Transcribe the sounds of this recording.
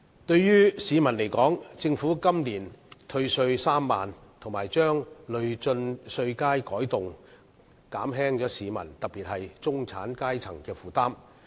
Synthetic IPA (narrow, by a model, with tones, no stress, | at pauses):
t̪ɵ˧ɥjyː˥siː˨˧mɐ˨˩nle˨˩jkɔː˨˥ŋt͡sɪ˧ŋfuː˨˥kɐ˥mliː˨˩nt̪ʰɵ˧ɥsɵ˧ɥsaː˥mːa̰ː˨nt̪ʰʊ˨˩ŋmaː˨˩jt͡ʃœː˥ŋlɵ˨˧ɥt͡sɵ˧nsɵ˧ɥkaː˥jkɔː˨˥jt̪ʊ˨ŋ | kaː˨˥mɦɛː˥ŋt͡ʃɔː˨˥siː˨˧mɐ̰˨˩nt̪ɐ˨k̚piː˨t̚hɐ˨jt͡sʊ˥ŋt͡sʰa̰ː˨˥nkaː˥jt͡sʰɐ˨˩ŋkɛː˧fuː˨t̪aː˥m